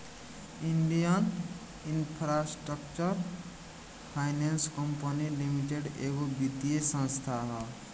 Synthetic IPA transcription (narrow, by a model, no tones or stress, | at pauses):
iɳɖijən | inpʰɾasʈɾəkt͡ʃəɾ | pʰaɪnenskəmpənilimiʈeɖeːɡobid̪jesə̃nst̪ʰaɦɛ